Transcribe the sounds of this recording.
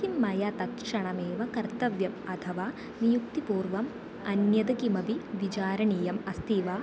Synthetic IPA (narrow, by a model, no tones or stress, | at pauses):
imːɐjɐt̪ɐkʂɐɳɐmeːʋɐkɐɾt̪ɐʋjɐmɐt̪ʰɐʋaː | ʋijukt̪ipuːɾʋɐm | ɐnjɐd̪ɐkimɐbiʋit͡ʃaːɾɐɳiːjɐmɐst̪iːʋaː